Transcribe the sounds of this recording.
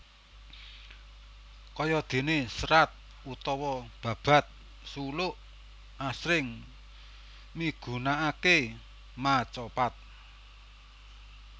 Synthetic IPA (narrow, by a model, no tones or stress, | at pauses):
kɔjɔd̪̥e̤nesəɾat̪̚ | ut̪ɔwɔb̥ä̤b̥a̤t̪̚ | sulʊʔ | asɾɪŋ | miɡ̥ṳnaake | mat͡ʃɔpat̪̚